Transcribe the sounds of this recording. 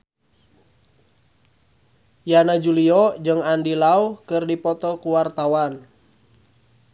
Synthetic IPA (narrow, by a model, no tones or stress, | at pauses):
janad͡ʒuliɔd͡ʒɨŋandilaukɨrdipɔt̪ɔkuwart̪awan